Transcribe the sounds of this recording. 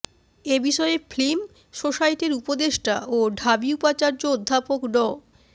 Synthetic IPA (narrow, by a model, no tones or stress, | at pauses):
ebiʃɔeeflim | ʃoʃajʈeɾupod̪eʃʈaoɖʱabiupat͡ɕaɾd͡ʑood̪ʱːapoknɔ